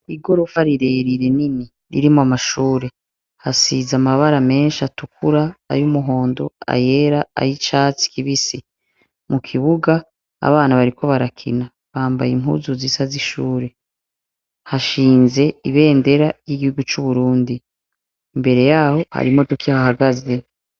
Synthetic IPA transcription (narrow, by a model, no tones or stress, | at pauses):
iɡo̞ɾofaɾiɾeɾiɾe̞nini | ɾḭɾimoamaʃuːɾe̞ | hasizamaβaɾame̞ːnʃatukuɾa̰ːjumuɦo̞ːndo̞a̰je̞ɾaa̰jit͡ʃaːt͡si̥kiβisi | mukʰiβuɡaː | a̰βaːnaβaɾikʰo̞βaɾakʰḭna | βaːmba̰jim̥ɦṵzuzisaziʃuːɾe̞ | haʃiːnze̞iβe̞ːnde̞ɾajiɡihuɡut͡ʃuβuɾuːndi | mbe̞ɾe̞jaːho̞ha̰ɾimo̞tukihahaɡaze̞